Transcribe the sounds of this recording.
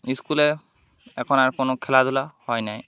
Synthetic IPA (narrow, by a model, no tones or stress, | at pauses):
iskulɛ | ɛkʰɔnaɹkʊnʊkʰɛlad̪ʊlahɔjnaj